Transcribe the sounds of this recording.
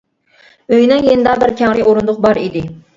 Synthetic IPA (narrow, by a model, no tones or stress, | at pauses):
øjnɪŋjenɪd̪ɑbɪɾkʲʰɛŋɾɪoɾund̪ʊqbɑɾid̪ɪ